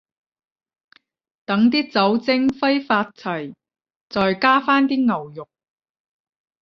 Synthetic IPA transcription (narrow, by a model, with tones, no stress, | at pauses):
t̪ɐ˨˥ŋt̪iː˥t͡sɐ˨˥wt͡sɪ˥ŋfɐ˥jfaː˧t̚t͡sʰɐ˨˩j | t͡sɔː˨jkaː˥faː˥nt̪iː˥ŋɐ˨˩wjʊ˨k̚